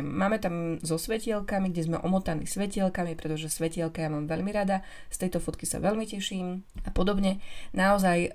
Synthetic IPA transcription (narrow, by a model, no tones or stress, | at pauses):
maːmɛt̪amzɔsʋɛcɪɛlkamiɡɟɛzmɛʔɔmɔt̪anḭːsʋɛcɪɛlkamipɾɛt̪ɔʒɛsʋɛcɪɛlkajamaːmʋɛʎmiɾad̪a | st̪ɛjt̪ɔfɔt̪kisa̰ʋɛʎmicɛʃiːmapɔd̪ɔbɲɛnaɔzaj